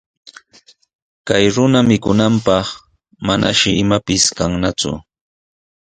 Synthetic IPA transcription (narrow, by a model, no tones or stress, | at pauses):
kajɾʊnamɪkʊnampɑχ | manʔa̰ʃɪɪmapɪskaŋnat͡sʊ̰